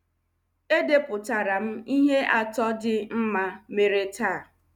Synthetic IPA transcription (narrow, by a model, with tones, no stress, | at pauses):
e˦de˦pʊ˨ta˨ɾa˨m̩˦i˦ɦe˦ʔa˨tɔ˦dɪ˦m̩˦ma˦me˨ɾe˦taː˦˨